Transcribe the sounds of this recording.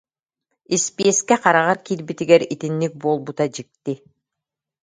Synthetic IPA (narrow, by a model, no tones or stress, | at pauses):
ispieskɛqɑɾaʁɑɾkilbit̪iɡɛɾit̪inːik̚bolˠbut̪ad͡ʒik̚t̪ːi